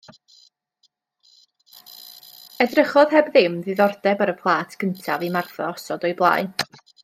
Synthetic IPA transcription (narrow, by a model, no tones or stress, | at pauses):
ɛdrəχɔð̥ɦɛbðɪmðɨðɔrdɛbaɾəpʰlˠaːtʰkʰəntʰavimarθɔ̰ɔsɔdɔɨblˠa̰ːɨ